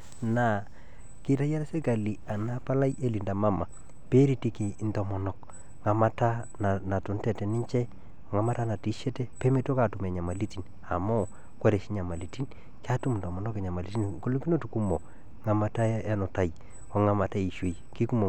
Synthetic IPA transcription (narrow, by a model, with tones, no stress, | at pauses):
na˨ | kɪ˦ta˦ja˦ɾe˦se˦ka˨li˨a˨na˦pa˦la˦je˦li˨nda˨ma˦ma˨ | pe˦ɾi˦ti˦ki˨˦ntɔ˨mɔ˨nɔ˨k | ŋa˨ma˦ta˦ | na˨na˨tʊ˨n˦tɛ˨tɛ˨nɪ˦ɲt͡ʃɛ˦˨ | ŋa˨ma˦ta˦na˨ti˨˦ʃɛ˦tɛ˦pe˦me˦to˦ka˨tu˨mɛ˨ɲa˨ma˨li˦ti˨n | a̰˨mɔ˦ | kwɛ˦ɾe˨ʃi˦ɲa˨ma˨li˨ti˦n | ka˦tu˦mn˨tɔ˨mɔ˨nɔ˦ke˨ɲa˨ma˨li˨ti˦nko˦lo˦kɡi˦no˦tu˨ku˦mo˨ | ŋa˨ma˨ta˦e˦nʊ˨ta˨j | ɔ˨ŋa˨ma˨ta˦i˨ʃe˨j | ki˦ku˦mo˨